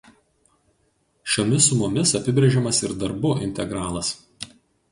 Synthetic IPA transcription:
ʃʲoːmʲɪsʊmʊmʲɪsɐpʲɪbʲɾʲeɛʒʲɛmɐsɪɾd̪ɐɾbʊʔɪ̰nʲt̪ʲɛɡɾɑːlˠɐs

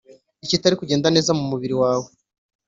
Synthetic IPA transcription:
icitaɾikuɟe̞ːndane̞ːzamumuβiɾiwaːwo

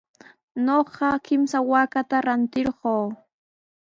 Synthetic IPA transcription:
noɢɑkɪmsawaːkat̪aɾant̪ɪɾɢoː

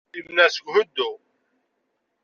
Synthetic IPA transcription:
imnæsəɡhʊd̪ːu

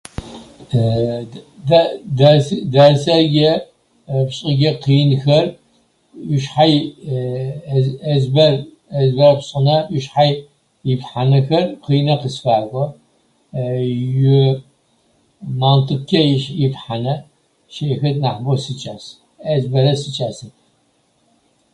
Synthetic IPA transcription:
dadasɐɡʲɛ | pɕʼɪɡʲɐqiːnxɐr | ʊʃħaj | ɐzbɐr | ɐzbɐɾɐpɕʼɪnɐʔʊʃħaj | jɪpħanɐxɐrqiːnɐqəsfaːkʷʼɔ | jʊ | maːntʰɨkʲʰɐjʃjɪfħanɐ | ʃeːxɐtnaħbosɨt͡ʃʼaːs | ɐzbɐɾɐsɨt͡ʃʼaːsɐ

